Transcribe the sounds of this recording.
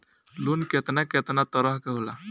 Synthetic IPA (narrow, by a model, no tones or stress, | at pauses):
lunket̪naket̪nat̪əɾəɦkeɦola̰